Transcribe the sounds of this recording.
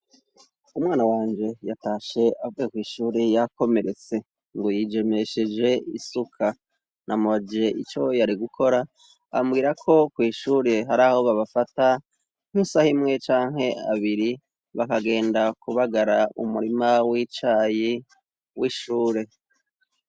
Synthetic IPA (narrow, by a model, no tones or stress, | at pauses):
umwaːnawaːɲd͡ʒe̞jataːʃe̞ʔavuekwiːʃuːɾejako̞me̞ɾe̞t͡se̞ | ŋɡojid͡ʒe̞meʃed͡ʒe̞ḭsukʰa | nʔamod͡ʒeʔit͡ʃo̞jaɾiɡukʰo̞ɾa | a̰mɡiːɾakʰo̞kwiːʃuːɾe̞ɦaɾaːho̞βaβafata | n̥usahimŋe̞t͡ʃaːŋɦe̞a̰βiɾi | βakaɡe̞ːndakuβaɡaɾaṵmuɾimawit͡ʃaːji | wiːʃuːɾe̞